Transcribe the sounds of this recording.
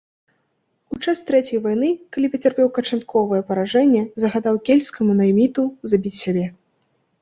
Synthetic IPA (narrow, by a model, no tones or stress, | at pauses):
ut͡ʂast̪ɾɛt͡sʲɛjvajnɨkalʲipɐt͡sʲarpʲɛwkɐt͡ʂant̪̚kʰɔvɐjɛpɐɾaʐɛnʲːɛzɐɣad̪awkʲelʲskɐmunɐjmʲit̪uzabʲit͡sʲsʲabʲɛ